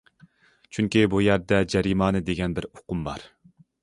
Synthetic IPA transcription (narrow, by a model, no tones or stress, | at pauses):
t͡ʃʰyŋkʲibujæɾd̪ɛd͡ʒɛɾimɑːnɨd̪eɡʲɛnbɪɾoqʊmbɑ̰ɾ